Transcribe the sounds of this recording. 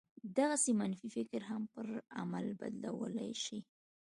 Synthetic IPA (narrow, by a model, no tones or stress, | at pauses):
d̪aɣasemanfifɪkɾɦampəɾa̰malba̰d̪lawə̰la̰jʃi